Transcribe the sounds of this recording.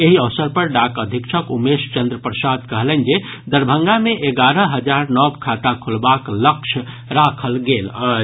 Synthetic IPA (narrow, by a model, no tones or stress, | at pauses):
eɦiəʋsəɾpəɾɖakəd̪ʱikt͡ʃʰəkumest͡ʃənd̪ɾəpɾəsad̪kəɦlən̆d͡ʒe | d̪əɾbʱə̃ŋɡameʔeɡaɾəɦəd͡ʒaɾnɔbkʰat̪akʰulbakləkt͡ʃʰ | ɾakʰəlɡela